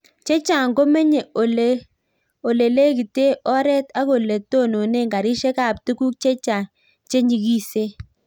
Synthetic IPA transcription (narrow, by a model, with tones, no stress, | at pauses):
t͡ʃe˦t͡ʃa˨ŋɡo˦mɛ˦ɲe˨o˨le˨ | o˨le˨le˦ki˨te˦ɔ˦ɾɛ˦ta˦ko˨le˨to˦˨no˨ne˦ŋɡa˨ɾi˦ʃe˦ka˨p̚tu˦ku˦k̚t͡ʃe˦t͡ʃa˨ | t͡ʃe˦ɲi˨ɡi˦se˦